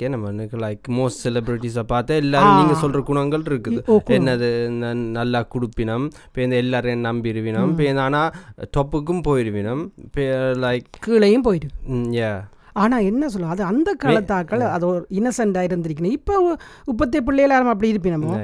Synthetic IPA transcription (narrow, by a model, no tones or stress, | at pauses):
kenɐmɐnɯklɐɪkmoːsʈsɛlɛbɾɪʈ̬ːis̬apaːɾt̪ɐɛlːaːniːŋɡɐsɔlrɐɡʊɳɐŋɡɐɭɪɾɯkːɯðɯkːɛnːɐðɯnnɐlːakʊɽɯpːɪnɐm | peːnd̪ɐɛlːaːɾenɐmbiɪɾɯʋɪnɯmpeːnd̪aːnaːʈɔːpːɯk̬ːɯmpoːjɪɾɯʋɪnɯmpelɐɪkkːiːɭɐjɯmpoːjɪɾɯʋjaː | aːnaːɛnːɐs̬ɔlːɐðɯɐnd̪ɐkɐɭɐt̪ːaːkːɐɭɐðɔɾɪnɐsɐɳɖaːjɪɾɯnd̪ɪɾɪk̬ːɪnɐ̃ɪpːoː | ʊpːɐt̪ːɪjɐp̬ːɪɭːɐjɐlaːɾɐmɐp̬ːɐɽiɪɾɯp̬ːɪnɐmːoː